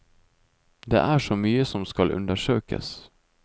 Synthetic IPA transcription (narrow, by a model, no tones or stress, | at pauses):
d̪ḛːʔæʂɔmyːəsɔmskɑlʔɵ̰nd̪əʂøːkə̰s